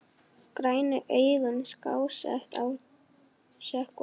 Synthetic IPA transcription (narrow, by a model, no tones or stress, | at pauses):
kɾaːjnʏʔejɣʏnskaːwsɛ̰ht̪aw | sɛhk